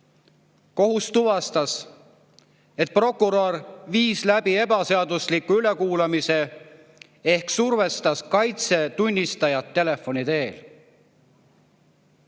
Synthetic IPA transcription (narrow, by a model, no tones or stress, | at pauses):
ko̞ɦust̪uvɑst̪ɑs | e̞t̪̚pro̞kːˑuɾorviːslæb̥ie̞bɑse̞ɑd̪uslikːˑuylekuːlɑmise̞ | e̞hksurve̞st̪ɑskɑjt̪se̞t̪unʲːist̪ɑjɑt̪ːe̞le̞fːo̞nʲit̪e̞ːl